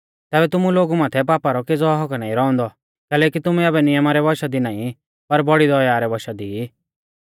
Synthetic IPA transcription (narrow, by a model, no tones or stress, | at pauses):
t̪ɛːbɛt̪ʊmuloːɡumaːt̪ʰɛp̬aːpaɾɔkeːd͡zɔɦɔknaːĩɾɔɔ̃nd̪ɔ | kɛːlɛːkit̪ʊmuɐbɛnɪjəmaɾɛbɔʃad̪inaːĩ | pɐɾbɔɽid̪ɔjaːɾɛbɔʃad̪i